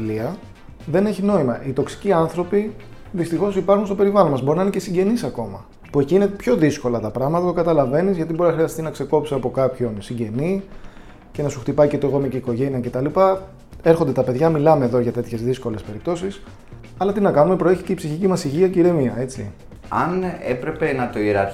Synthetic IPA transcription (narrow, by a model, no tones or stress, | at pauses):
liɐ | ðe̞ne̞çino̞imɐʔit̪o̞ksi̥ciɐnθɾo̞pi | ðist̪ixo̞sipɐɾxunst̪o̞pe̞ɾivɐlonmɐzbo̞ɾinɐinecesiɲɟe̞nisɐko̞mɐ | pue̞ciine̞pço̞ðisko̞lɐt̪ɐpɾɐɣmɐt̪ɐt̪okɐt̪ɐlɐve̞nizʝɐt̪ibo̞ɾinɐxɾiɐst̪inɐkse̞ko̞psiɐpo̞kɐpço̞nsiɲɟe̞ni | ce̞nɐsuxt̪ipɐicet̪oɣo̞meciiko̞ʝe̞niɐce̞t̪ɐlipɐ | e̞ɾxo̞nd̪et̪ɐpe̞ðʝɐmilɐme̞ðoʝɐt̪e̞t̪çe̞zðisko̞le̞spe̞ɾip̚t̪o̞sis | ɐlɐt̪inɐkɐnume̞pɾeçi̥ce̞ipsiçicimɐsiʝiɐceiɾe̞miɐe̞t͡sḭ | ɐ̰nḛpɾe̞pe̞nɐt̪o̞iɾɐ̰ɾ